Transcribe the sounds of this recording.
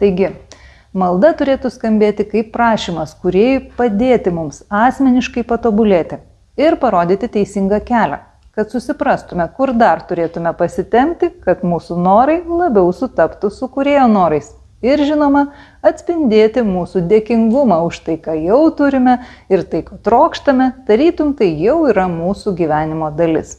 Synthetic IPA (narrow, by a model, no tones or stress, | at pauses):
t̪ɐɪɡʲɪ | mɐlˠd̪ɐt̪ʊɾʲeːt̪ʊskɐmʲbʲeːt̪ʲɪkɐɪppɾɑːʃʲiːmɐskʊɾʲeɛjʊpɐd̪ʲeːt̪ʲɪmʊmsɑːsʲmʲɛnʲɪʃkɐɪpɐt̪oːbʊlʲeːt̪ʲɪ | ɪɾpɐɾoːd̪ʲiːt̪ʲɪt̪ʲɛɪsʲɪŋɡɑkʲæːlʲɛ̰ | kɐt̪sʊsʲɪpɾɐst̪ʊmʲɛkʊɾd̪ɐrt̪ʊɾʲeːt̪ʊmʲɛpɐsʲɪt̪ʲɛmʲt̪ʲɪkɐt̪muːsʊnoːɾɐɪlˠɐbʲɛʊsʊt̪ɐpt̪ʊsʊkʊɾʲeːjoːnoːɾɐɪs | ɪɾʒʲɪnoːmɐ | ɐt̪ʲsʲpʲɪnʲd̪ʲeːt̪ʲɪmuːsud̪ʲeːkʲɪŋɡʊmɑːʊʃt̪ɐɪkɑːjɛʊt̪ʊɾʲɪmʲɛɪɾt̪ɐɪkɐːt̪ɾoːkʃt̪ɐmʲɛd̪̥ɐɾʲiːt̪ʊmt̪ɐɪjɛʊiːɾɐmuːsuɡʲiːʋʲæːnʲɪmoːd̪ɐlʲɪ̰s